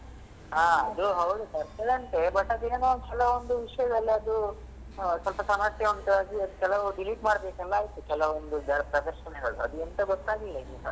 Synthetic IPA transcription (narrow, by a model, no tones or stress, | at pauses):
aːɐd̪uɦɐwud̪ut̪ɐɾselɐɳʈebɐʈːɐd̪ueːnukɛlɐond̪uʋiʂɐjɐd̪ɐlːɐɐd̪u | sɐlpɐsɐmaːt̪jɐʋɐnt̪ɐʋaːɡiɐd̪ukɛlɐʋuɖiliːʈmaːɽbeːkɛlːaːɦjit̪ukɛlɐond̪ud̪ɐɾɐpɾɐd̪ɐɾʃɐnɛɡɐɭṵɐ̰d̪uent̪ɐɡɔt̪ːaːɡilːɐinusɐ